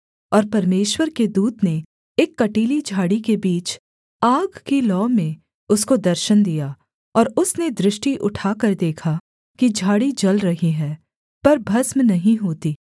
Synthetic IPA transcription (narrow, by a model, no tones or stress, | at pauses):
ɔːɾpɐɾmeːʃwəɾked̪uːd̪ne | eːkːɐʈiːlid͡ʒʱaːɽikebiːt͡ʃ | aːɡkilɔːmẽ | ʊskod̪ɐɾʃənd̪ija | ɔːɾʊsned̪ɾɪʃʈiʔʊʈʰaːkɐɾd̪eːkʰa | kid͡ʒʱaːɽid͡ʒɐlɾɐɦiɦɛː | pɐɾbʱɐsmnɐɦĩɦoːt̪iː